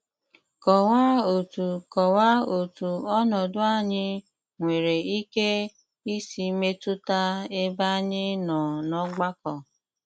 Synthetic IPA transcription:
kɔ˨wa˦o˨tu˨kɔ˨wa˦o˨tu˨ɔ˦nɔ˨dʊ˦a˦˨ɲɪ˦ | ŋʷe˨ɾe˨i˦ke˦ | i˦si˨me˦tʊ˦ta˦e˦ba˦ɲɪ˦nɔ̃˨nɔ˦ɡ͡ba˦kɔ˨

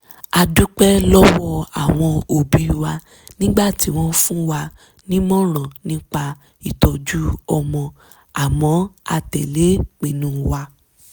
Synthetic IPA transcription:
a˧du˦k͡pɛ˦lɔ˦wɔ˦a̰˨w̃ɔ̃˧o˨bi˨˦˧wa˧ | nĩ˦ɡ͡ba˦˨ti˨˦w̃ɔ̃˧fũ˦wa˧ | nĩ˦mɔ̃˦ɾ̃ɔ̃˨nĩ˦k͡pa˧ | i˨tɔ˧d͡ʒu˦ɔ˧mɔ̃˧ | a˨mɔ̃˨˦a̰˧tɛ̰˨le˨˦k͡pĩ˨nũ˨˦wa˧

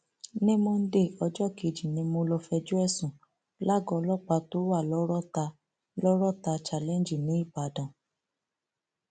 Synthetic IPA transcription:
nĩ˦mo˧n̩˦de˦˨ɔ˧d͡ʒɔ˦˨ke˨d͡ʒi˨nĩ˧mo˧lɔ˧fɛ˧d͡ʒu˦ɛ˦˨sũ˨ | la˦˨ɡɔ˧lɔ˦˨k͡pa˧to˦wa˦˨lɔ˦ɾɔ˦ta˧ | lɔ˦ɾɔ˦˨ta˧t͡ʃa˨lɛ̃˦n˨d͡ʒi˨nĩ˨˦i˦˨ba˨˦dã˨

